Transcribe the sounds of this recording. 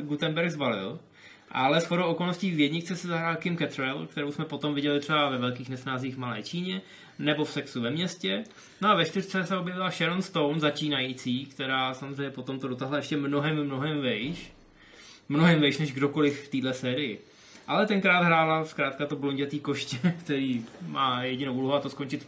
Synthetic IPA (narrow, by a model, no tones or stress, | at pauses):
ɡut̪ɛmbɛɾɡzbalɪ̰l | ʔa̰lɛsxo̞dowʔoko̞lnosciːvjɛdɲɪt͡sɛsɛzaɦɾaːlkɪmkɛt̪ɾɛlkt̪ɛɾowsmɛpo̞t̪o̞mvɪɟɛlɪt̪r̥ɛbavɛvɛlkiːxnɛsnaːziːxvmalɛ̰ːt͡ʃiːɲɛ | nɛbo̞fsɛksuvɛmɲɛscɛ | noavɛʃt̪ɪr̥t͡sɛsɛobjɛvɪlaʃɛɾonst̪o̞wnzat͡ʃiːnajiːt͡siːkt̪ɛɾaːsamozrɛjɲɛpo̞t̪o̞mt̪o̞dot̪aɦlajɛʃcɛmno̞ɦɛmːno̞ɦɛmvɛjʃ | mnoɦɛmvɛjʃnɛʒɡdo̞ko̞lɪfft̪iːdlɛsɛːɾɪjɪ | ʔalɛt̪ɛŋkɾaːd̪ɦɾaːlaskɾaːt̪kat̪obloɲɟɛt̪iːko̞ʃcɛkt̪ɛɾiːmaːjɛɟɪnowʔuloɦoat̪osko̞nt͡ʃɪt̪